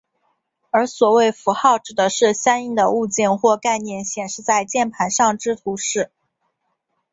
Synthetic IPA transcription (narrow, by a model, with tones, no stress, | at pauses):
ə˞˧˥swɔ˨˩we˥˩ɪfu˧˥xɑ˥˩ʊʈ͡ʂɻ̩˨˩d̪ə˦ʂɻ̩˥˩ɕjɑ˥ŋi˥˩ŋd̪ə˧u˥˧t͡ɕjɛ˥˧nxwɔ˥˧ka˥˧ɪnjɛ˥˩nɕjɛ˨˩nʂɻ̩˥˧t͡sa˥˧ɪt͡ɕjɛ˥˩npʰa˧˥nʂɑ˥˩ŋʈ͡ʂɻ̩˥t̪ʰu˧˥ʂɻ̩˥˩